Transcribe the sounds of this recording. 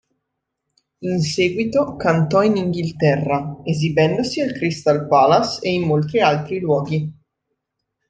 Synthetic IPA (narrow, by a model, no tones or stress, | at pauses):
inseːɡwit̪okant̪ɔiniŋɡilt̪ɛrːaezibɛnd̪osialkɾist̪alpaːlaseinmolt̪ɾialt̪ɾilwɔːɡi